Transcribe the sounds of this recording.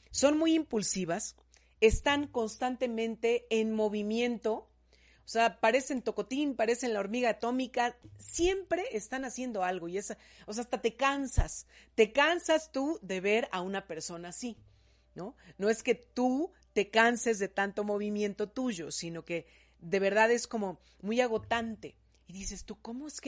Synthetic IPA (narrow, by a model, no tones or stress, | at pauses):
o̞nmujimpulsiβas | est̪aŋko̞nst̪ant̪e̞mẽ̞nt̪e̞ːnmo̞βimje̞nt̪o̞ | oseapaɾe̞se̞ːnt̪o̞ko̞t̪inpaɾe̞senlao̞ɾmiɣaːt̪o̞mikasje̞mpɾe̞ʔest̪anasje̞nd̪o̞alɣo̞iesa | oseast̪at̪e̞kansast̪e̞kansast̪uðe̞βe̞ɾaunape̞ɾso̞naːsi | no̞no̞e̞ske̞t̪u | t̪e̞kanse̞zðe̞t̪ant̪o̞mo̞βimje̞nt̪o̞t̪uʝo̞sino̞ke̞ | ðe̞β̞e̞ɾð̞aðe̞sko̞mo̞ | mujaɣ̞o̞t̪ant̪e̞ | iðise̞st̪uko̞mo̞esk